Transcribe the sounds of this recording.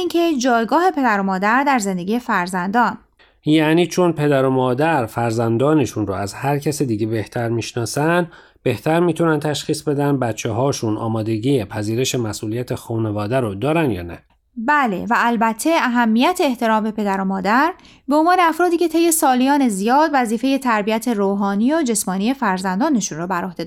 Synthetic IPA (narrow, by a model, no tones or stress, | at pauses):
iːncʰe̞d͡ʒɒːjɡɒːhe̞pʰe̞d̪æɾo̞mɒːd̪æɾd̪æɾze̞nd̪e̞ɟiːjefæɾzænd̪ɒːn | jæːniːt͡ʃʰo̞npʰe̞d̪æɾomɒːd̪æɾfæɾzænd̪ɒːneʃunroæzhæɾcʰæsid̪iːɟebe̞ht̪ʰæɾmiːʃnɒːsænd̪ | b̥e̞ht̪ʰæɾmiːt̪ʰunænt̪ʰæʃxiːsbe̞d̪ænd̪̚bæt̪t͡ʃʰːeɦɒːʃunɒ̰ːmɒːd̪e̞ɟiːepʰæziːɾe̞ʃe̞mæsʔuːlijæt̪ʰexuːnevɒːd̪æɾod̪ɒːɾænd̪jɒ̰ːnæ̰ | bæle̞̰væːlbæt̪ʰːe̞æɦæmːijæt̪ʰeːht̪ʰe̞ɾɒːmbe̞pʰe̞d̪æɾomɒːd̪æɾ | be̞onvɒːneæfɾɒːd̪iːcʰe̞t̪ʰe̞jːe̞sɒːlijɒːne̞zijɒːd̪væziːfe̞je̞t̪ʰæɾbijæt̪ʰe̞ɾoːɦɒːniːod͡ʒe̞smɒːnie̞fæɾzænd̪ɒːne̞ʃunrobæɾohd̪e̞d̪